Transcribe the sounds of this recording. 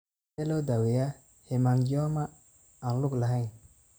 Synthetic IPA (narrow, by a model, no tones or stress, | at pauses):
elodaweja | hemaŋɡioma | aluklahaj